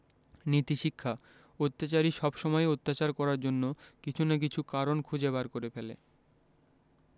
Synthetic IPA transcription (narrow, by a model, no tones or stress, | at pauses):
nit̪iʃikʰːa | ot̪ːat͡ɕaɾiʃɔbʃɔmɔeot̪ːat͡ɕaɾkɔɾaɾd͡ʑonːokit͡ɕʰunak̬it͡ɕʰukaɾonkʰud͡ʑebaɾkoɾefelḛ